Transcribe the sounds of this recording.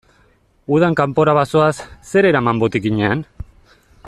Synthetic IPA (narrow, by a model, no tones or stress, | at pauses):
uð̞aŋkampo̞ɾaβaso̞asːe̞ɾe̞ɾamambo̞t̪ikiɲe̞an